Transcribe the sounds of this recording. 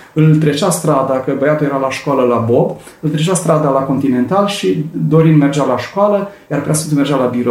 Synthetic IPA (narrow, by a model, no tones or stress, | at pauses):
ɨlt̪ɾe̞t͡ʃast̪ɾad̪akəbəjat̪uljeɾalaʃkoaləlabo̞b | ɨlt̪ɾet͡ʃast̪ɾad̪alako̞nt̪ine̞nt̪alʃid̪o̞ɾind̪me̞rd͡ʒalaʃkoaləjaɾrput̪asɨnt̪ume̞rd͡ʒalabiɾo